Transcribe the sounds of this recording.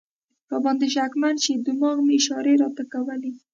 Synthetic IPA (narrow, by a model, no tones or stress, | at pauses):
pabɑnd̪eʃ̬akmanʃed̪umɑɣmeʃɑɾeɾɑt̪akawəli